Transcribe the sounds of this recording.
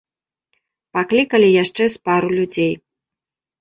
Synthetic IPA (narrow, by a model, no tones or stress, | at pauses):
paklʲikɐlʲijaʂt͡ʂɛspaɾulʲud͡zʲej